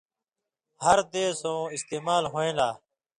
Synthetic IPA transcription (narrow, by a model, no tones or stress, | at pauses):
həɾd̪eːsõːɪst̪eːmaːlɦoːẽːlaː